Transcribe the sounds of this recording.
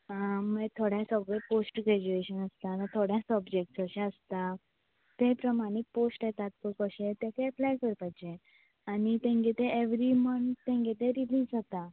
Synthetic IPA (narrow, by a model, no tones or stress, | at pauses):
əmet̪ʰoɽjãsəɡɭeposʈɡɾɛd͡ʑueɕənəst̪anãt̪ʰoɽjãsəbd͡ʑek̚ʈsəɕɛ̃əst̪a | t̪ẽpɾəmaɽ̃ik̚posʈet̪at̪kokəɕẽt̪ẽk̪ʰeəplajkəɾpajd͡ʑe | anit̪ẽŋɡet̪ẽeʋɾimənt̪t̪ẽŋɡet̪ẽɾiliːzɦɔt̪a